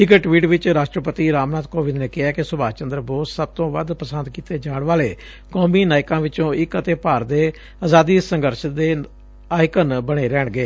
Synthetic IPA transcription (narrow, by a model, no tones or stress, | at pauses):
ɪkʈʋiːʈʋɪt͡ʃɾaːʃʈɾəpət̪iːɾaːmnaːt̪koːʋɪd̪neːkɪɦɛːkɪsʊbaːt͡ʃənd̪ɾəbɔːt̪səb̚t̪õːʋəd̪pəsənd̪kiːt̪eːd͡ʒaːɳʋaːleː | kɔːmiːnaːɪkãːʋɪt͡ʃõːɪkət̪eːpaːɾd̪eː | aːzaːd̪iːsəŋɡəɾʃəd̪eː | aːɪkənbəɽeːɾɛːɳɡeː